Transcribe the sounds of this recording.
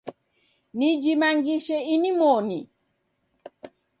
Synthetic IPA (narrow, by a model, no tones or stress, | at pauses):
nid͡ʒimaŋɡiʃɛinimɔni